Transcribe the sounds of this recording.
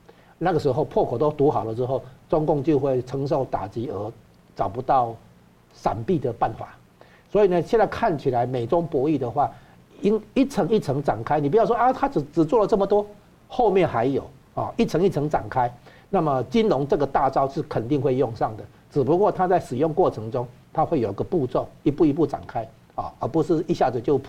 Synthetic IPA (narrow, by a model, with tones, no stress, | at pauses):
na˥˩ɡə˩ʂɻ̩˧˥xo˥˧ʊpʰwɔ˥˩kʰɔ˨˩t̪o˥ʊt̪u˧˥xɑ˨˩ʊlə˩ʈ͡ʂɻ̩˥xo˥˩ʊt͡sʊ˥ŋkʊ˥˧ŋt͡ɕjo˥˧ʊxwe˥˩ɪʈ͡ʂʰə˧˥ŋʂ̬o˥˩ʊt̪a̰˨˩t͡ɕi˧˥ə˧˥ | t͡sɑ˨˩ʊpu˧˦t̪ɑ˥˩ʊ | ʂa̰˨˩npi˥˩d̪ə˩pa˥˧nxwa̰˥˩ | swɔ˧˥i˨nə˦ɕjɛ˥˧nt͡sa˥˧ɪkʰa˥˩nt͡ɕʰi˨˩la˧˦ɪme˨˩ɪʈ͡ʂʊ˦˥ŋpwɔ˧˥i˥˩d̪ə˨xwa˥˩ | i˥ŋi˥˩t͡sʰə˧˥ŋi˥˩t͡sʰɤ˧˥ŋʈ͡ʂa̰˨˩nkʰa˥ɪni˨˩˧jʊʂwa˧t̪ʰa˥t͡s̩˨˩t͡s̩˨˩t͡swɔ˥˩lə˩t͡sɤə˥˩mə˩t̪wɔ˥ | xo˥˧ʊmjɛ˥˩nxa˧˦ɪjo˨˩ʊ | ɔ̰˨˩i˥˩t͡sʰɤ˧˥˦ŋi˥˩t͡sʰɤ˧˥ŋʈ͡ʂa̰˨˩nkʰa˦˥ɪ | na˥˩mə˨t͡ɕi˦nlʊ˧˥ŋt͡sɤ˥˩ɡə˨˩t̪a˥˧t͡sɑ˥ʊʂɻ̩˥˩kʰə˨˩nt̪i˥˧ŋxwe˥˧ɪjʊ˥˧ŋʂɑ˥˩ŋd̪ə˩ | ʈ͡ʂɻ̩˨˩p̬u˧˦kwɔ˥˧t̪ʰa˦t͡sa˥˩ɪʂɻ̩˨˩jʊ˥˧ŋkwɔ˥˩ʈ͡ʂʰɤ˧˦ŋʈ͡ʂʊ˦ŋ | t̪ʰa˦˥xwe˥˩jo˨˩ʊi˧˦ɡə˧pu˥˧t͡so˥˨ʊi˧˥pu˥˩i˧˦pu˥˩ʈ͡ʂa̰˨˩nkʰa˥ɪ | ɔ̰˥˨˩ə˧˥pu˧˦ʂɻ̩˥˩˧i˥˧ɕja˥˩d͡zə˨˩t͡ɕjo˥˧ʊ